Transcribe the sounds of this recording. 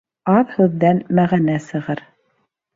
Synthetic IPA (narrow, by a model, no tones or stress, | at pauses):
ɑðhʉðːænmæʁænæsɤ̆ʁɤɾ